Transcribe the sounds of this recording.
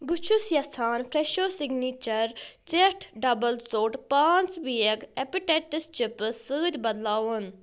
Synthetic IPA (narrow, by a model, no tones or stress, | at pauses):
but͡ʃʰusjɐsʰaːnpʰɾeʃoːsiɡniːt͡ʃɐɾt͡ʃeʈʰɖɐbɐlsoːʈpaːnt͡sbiekepiʈeʈist͡ʃipɨsɨːd̪ʲbɐd̪laːwun